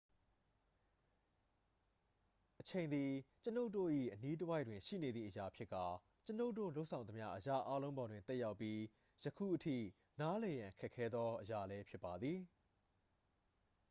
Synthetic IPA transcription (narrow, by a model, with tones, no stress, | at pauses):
ʔət͡ɕʰẽ˨ɪ̃nd̪i˨t͡ɕəno˦ʊtːo̰˦˨ʔḭ˦˨ʔəni˦t̬əwa˦ɪʔtwɪ̃˨ʃḭ˦˨ne˨d̪ði˦˨ʔəja˨pʰjɪ˦kːa˨ | t͡ɕəno˦ʊtːo̰˦˨lo˦ʔsʰã˨ʊ̃nə˨mja̰˦ʔəja̰˦ʔa˦lõ˦ʊ̃mbɔ˨dwɪ̃˨t̪ɛ˦ʔja˦ʊpːji˦ | jəkʰṵ˦˨ʔətʰḭ˦˨ | na˦lɛ˨jã˨kʰɛ˦ʔkʰːɛ˦d̪ðɔ˦ʔəja̰˦˨lɛ˦pʰjɪ˦pːa˨d̪ði˨